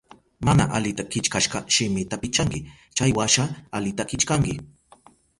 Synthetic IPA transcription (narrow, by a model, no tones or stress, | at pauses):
mana̰ʔalɪt̪akɪt͡ʃkaʃɢɑʃɪmɪt̪apɪt͡ʃaŋkɪ | t͡ʃajwaʃaalɪt̪akɪt͡ʃkaŋkɪ